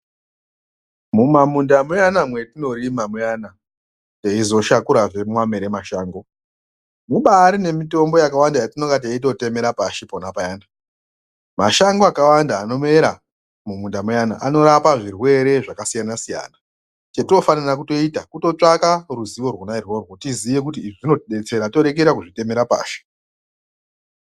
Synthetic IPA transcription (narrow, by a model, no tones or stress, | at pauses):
mumamundamujanamwe̞tino̞rimamujana | teizo̞ʃakuɾaʐe̞mwame̞ɾe̞maʃaːŋɡo | muɓaːɾine̞mito̞mbo̞jakawandajatino̞kɡat̬iait̬o̞te̞me̞ɾapaʃiponapajaːna | maʃaŋɡoakawandaːno̞me̞ɾa | mumundamujana̰ʔano̞ɾapaʐirwe̞ɾe̞ʐakasijanasija̰ːna | t͡ʃetino̞fanirak̬uto̞itakuto̞t͡ʂakaruziʋo̞rwonairworwotizije̞k̬ut̬iːʐiʐino̞tiɗe̞t͡se̞ɾato̞ɾe̞k̬eɾakuʐite̞me̞ɾapa̰ːʃe̥